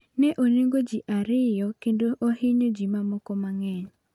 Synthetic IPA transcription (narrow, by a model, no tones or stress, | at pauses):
nɛʔoneŋɡod͡ʒiʔaɾɪjɔkendoʔɔhɪɲod͡ʒimamɔkɔmaŋɛɲ